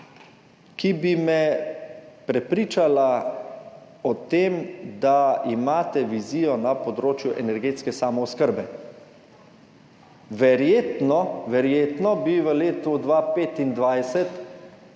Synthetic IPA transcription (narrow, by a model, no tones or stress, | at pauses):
kibimɛ | pɾɛpɾiːt͡ʃala | ɔt̪eːmd̪aimaːt̪ɛʋiziːjɔnapɔd̪ɾoːt͡ʃjuʔɛnɛɾɡeːt̪skɛsaːmɔːskəɾbɛ | ʋɛɾjeːt̪nɔʋɛɾjeːt̪nɔbiʋəleːt̪ud̪ʋapeːt̪ind̪ʋajsɛt̪